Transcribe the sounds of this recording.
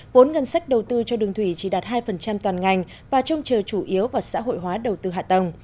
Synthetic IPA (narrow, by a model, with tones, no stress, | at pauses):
vo˨˦nŋə˧nsa˦˥k̟̚ɗə˨˩wt̪ɨ˧t͡ɕɔ˧ɗɨ˨˩əŋt̪ʰwi˧˩t͡ɕi˧˩ɗaː˨˩t̚ɦaː˧jfə˨˩nt͡ɕa˧mt̪waː˨˩nŋa˨˩jŋ̟ | vaː˨˩t͡ɕə˧wŋ͡mt͡ɕəː˨˩t͡ɕu˧˩ʔi˨˦əwvaː˨˩wsa̰ː˧˥ɦo̰˧˨jɦwaː˨˦ɗə˨˩wt̪ɨ˧ɦa̰ː˧˨t̪ə˨˩ŋ͡m